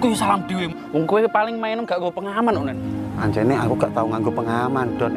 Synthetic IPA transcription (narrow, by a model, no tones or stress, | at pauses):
kusalamd̪̥ewe | wɔŋkuwepalɪŋmaɛnɔmɡaʔɡopəŋamanunanaɲt͡ʃɛneakuɡaʔt̪auŋaŋɡopəŋamand̥ɔn